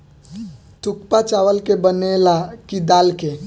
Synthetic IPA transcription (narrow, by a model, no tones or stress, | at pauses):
t̪ʊkpat͡ʃaːʋəlkebənelakid̪aːlke